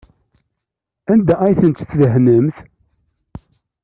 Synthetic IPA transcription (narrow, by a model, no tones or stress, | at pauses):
ænd̪ææjθənt̪θðəɦnəmθ